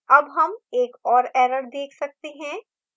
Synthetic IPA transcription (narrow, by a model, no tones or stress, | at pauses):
ɐbɦɐmeːkɔːɾɛːɾəɾd̪eːkʰsɐk̚t̪eɦɛ̃